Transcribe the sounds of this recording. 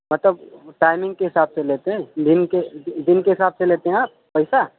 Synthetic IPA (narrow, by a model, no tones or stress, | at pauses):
mət̪ləbʈaɪmɪ̃ŋɡkeɦɪsaːbselet̪eɦɛ̃d̪inked̪inkeɦɪsaːbseleːt̪eɦɛ̃aːp̚pəɪsa